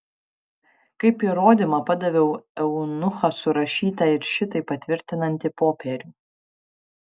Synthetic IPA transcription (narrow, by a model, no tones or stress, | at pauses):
kɐɪpiɾoːd̪ʲɪmɐpɐd̪ɐʋʲɛʊɛʊnʊxɐsʊɾɐʃʲiːt̪ɐɪɾʃʲɪt̪ɐɪpɐt̪ʲʋʲɪɾʲt̪ʲɪnɐnʲt̪ʲɪpoːpʲɛɾʲuː